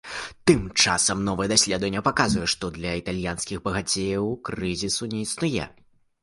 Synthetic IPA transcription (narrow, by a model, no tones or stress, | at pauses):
t̪ɨmt͡ʂasɐmnɔvɨjɛd̪asʲlʲɛd̪vɐnʲːɐpakazvujɛʂt̪ɔd̪lʲɐit̪alʲjanskʲiɣbɐɣat͡sʲejɐwkɾɨzʲisunʲɛisnujɛ̰